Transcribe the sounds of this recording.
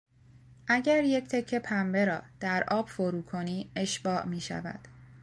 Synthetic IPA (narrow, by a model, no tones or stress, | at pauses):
ʔæɟæɾje̞cʰt̪ʰe̞cʰːe̞pʰæmbe̞ɾɒːd̪̥æɾʔɒːb̥fo̞ɾuːkʰo̞niːe̞ʃb̥ɒːʔmiːʃæ̰væ̰d̪̥